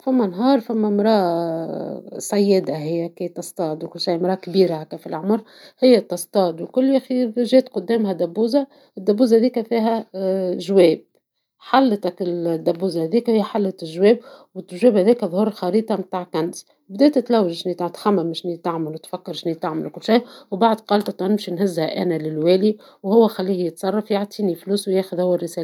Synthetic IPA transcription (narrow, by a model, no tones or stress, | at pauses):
fæmːænɦɑːɾˤfæmːæmɾˤɑː | sˤɑjːɪd̪aɦɪjːækiːt̪ːɑsˤt̪ˤɑːd̪wkʊlːʃajmɾˤɑːʔkbiːɾahækːæfilʕʊmɾ | hɪjːæt̪ːɑst̪ˤɑːd̪wkʊlːʔæxiːɾʒeːt̪qʊd̪ːeːmhæd̪æbːuːza | ɪd̪ːæbːuːzhðiːkæfiːɦæʒweːb̚ | ħalːt̪akɪd̪ːæbːuːzhæðiːkhɪjːæħalːat̪ɪlʒwɛːb̚wɪt̪ːʒwɛːbhæðiːkæðˤhuːɾˤxɑɾiːt̪ˤɑmt̪aːʕkænz | bd̪ɛːt̪æt̪læwːɪʒʃnit̪aʕt̪xæmːæmːɪʃniːt̪aʕmɪlwt̪fækːɑɾʃniːt̪aʕmɪlkʊlːʃajwbaʕd̪qɑːlt̪ɑt̪ˤɑnɪmʃinɦɪzːhæʔæːnælɪlwæːli | whʊwːæxælːiːhjət̪sˤɑrˤːɑfjaʕt̪ˤiːnifluːswjæːxʊðhʊwːærːɪsæːl